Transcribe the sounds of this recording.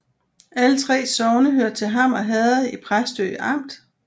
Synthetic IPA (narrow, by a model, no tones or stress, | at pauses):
ælət͡sʰʁɛ̰ːsɒʊnəɦøɐ̰d̥̚t͡sʰe̝lɦɑ̈mɒ̽ɦɛð̩ˠipʰʁasd̥ø̰ːʔɑ̈m̰d̥